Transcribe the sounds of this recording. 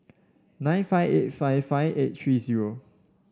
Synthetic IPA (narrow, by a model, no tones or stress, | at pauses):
nãjnfaɪvet̚faɪvfaɪvet̚tʰɹiːziɹo